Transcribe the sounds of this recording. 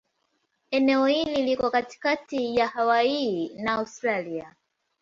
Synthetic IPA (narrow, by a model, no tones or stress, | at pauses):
ɛnɛɔhililikɔkati̥katijahawainaːustɾalia